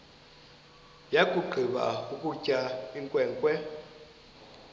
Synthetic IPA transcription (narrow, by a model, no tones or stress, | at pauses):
jakʼuɡ͡ǃʱiɓa̰ukʼucʼaiŋkʼwɛːŋkʼwɛ